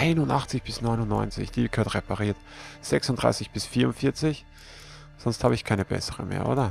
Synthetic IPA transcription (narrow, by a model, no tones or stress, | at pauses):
ʔaɪnʊntaχt͡sɪçb̥ɪsnɔʏnʊnːɔ̰ʏnt͡sɪ̰çd̥iːkʰøːɐtʁɛpaʁiːɐt | z̥ɛksʊntd̥ʁa̰ɪsɪçb̥ɪsfiːɐʊnfɪɐt͡sɪç | z̥ɔnsthaːbəɪçkʰaɪnəb̥ɛ̰səʁə̰mḛːɐʔo̰ːɾɐ